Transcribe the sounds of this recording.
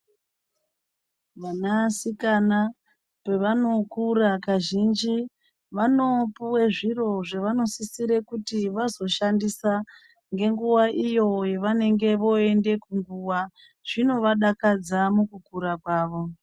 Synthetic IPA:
ʋanasikana | pe̞ʋano̞kurakaʒind͡ʒi | ʋano̞puwe̞ʐiro̞ʐeʋano̞sisiɾe̞kutiʋazo̞ʃandisa | ŋɡe̞ŋɡuwaʔijo̞je̞ʋane̞ŋɡe̞ʋo̞e̞nde̞kuŋɡuwa | ʐ̥ino̞ʋaɗakad͡zamukukuɾakwaːʋo̞

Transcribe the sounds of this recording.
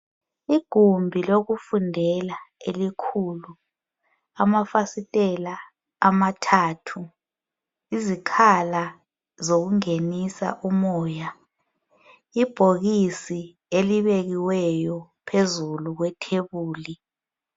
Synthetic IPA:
iɡ̥ʱumbʱiloɣ̬ufundʱɛlaelikʰuːlu | amafasitʼɛlaː | matʰaːtʰu | izikʰala | zok̬uŋenisa̰ʔumɔːja | ib̥ʱoɣisi | eliɓeɣiwɛjɔpʰezuluɣ̬wɛtʰeβuːli

